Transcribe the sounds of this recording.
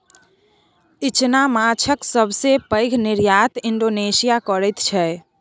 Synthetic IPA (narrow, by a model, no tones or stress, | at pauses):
it͡ʃnamat͡ʃʰəksəbʱsepəɪɡʱniɾjat̪iɳɖoːnesijakəɾət̪t͡ʃʰɛ